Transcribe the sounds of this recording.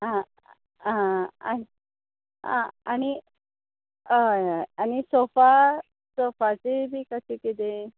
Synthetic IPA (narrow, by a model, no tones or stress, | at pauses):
ɦã | ɦãa̰i | ɦã̰aɽ̃i | ɦjajañisofa | sofat͡sebʱiːkəsekit̪̬e